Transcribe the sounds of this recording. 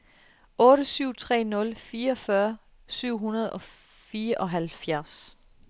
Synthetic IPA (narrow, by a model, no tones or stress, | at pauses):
ʔɔ̽ːɾəsyʊ̰t͡sʰʁɛ̰ːnɔ̽lfiːɐɒ̽fɶːɐ | syʊ̰ɦunɐð̞̩ˠɒ̽ | fiːɐʔɒ̽ɦælfjæɐs